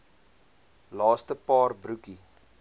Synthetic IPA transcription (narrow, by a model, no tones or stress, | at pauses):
lɑːstəpɑːrbɾuki